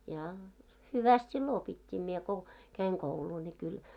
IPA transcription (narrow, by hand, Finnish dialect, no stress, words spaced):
jɑ hyʋæst silːo opitʲːiː mie ko kæiŋ kouluː nʲi kyl